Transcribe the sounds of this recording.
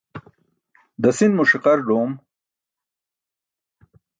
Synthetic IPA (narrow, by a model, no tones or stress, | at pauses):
d̪əsinmuʂiqɐɾɖoːm